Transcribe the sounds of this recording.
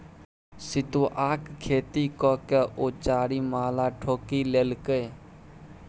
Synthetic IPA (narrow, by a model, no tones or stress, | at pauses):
sɪt̪uːʔaːkkʰeːt̪ikɔkeʔoːt͡ʃaːɾimaːlaːʈʰoːkileːlkəj